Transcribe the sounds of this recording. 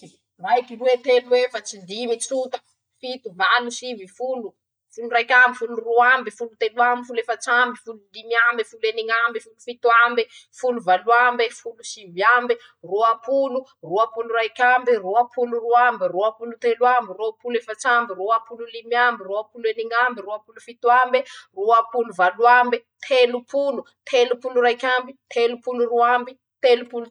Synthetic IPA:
majkiruwet̪eluwefat͡sid̪imit͡sut̪a | fit̪umalusivifulu | fulurajkʲambifuluruambifulut̪eluamifulefat͡sambifululimiambefuleniŋambifulufit̪uambifuluvaluambefulusiviambi | roapuluruapuluɾajkʲambiruapʰuluruambiruapulut̪elwambiruapulefat͡ʃambiruapululimjambiruapulueniŋambiruapulufit̪uamberuapuluvaluambet̪ʰelupʰulu | t̪ʰelupuluɾajkʲambit̪ʰelupuluruambi | t̪elupulu

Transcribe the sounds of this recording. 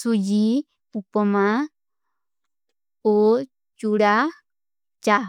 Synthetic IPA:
sud͡ʒi | upomã | o | t͡ʃuɾa | t͡ʃa

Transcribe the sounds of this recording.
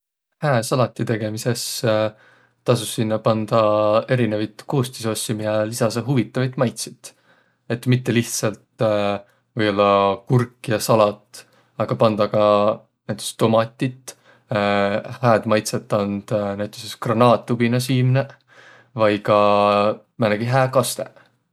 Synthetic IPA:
hæesɑlɑt̪ʲːˑit̪e̞ɡ̥e̞mise̞s | t̪ɑsusːinːɑpɑnd̪̥ɑe̞ɾinevɑjt̪kuːst̪iso̞sʲːimiɑlisɑseɦuvit̪ːˑɑvɑjt̪ˑmɑjt̪si̥t̪ | e̞t̪ːmit̪ːe̞liht̪sɑlt̪ | vɤjo̞lːɑkurkːˑijɑsɑlɑt̪ | ɑɡ̥ɑpɑnd̪̥ɑɡɑ | næjt̪ːˑe̥kst̪o̞mɑt̪ʲːˑit̪ːˑ | hæːd̪̥mɑjt̪set̪ːˑɑnd̪̥næjt̪ːˑeseskronɑːt̪ˑːubinɑs̬iːmne | vɑjkɑ | mæneɡ̥iɦæːkɑst̪e̞

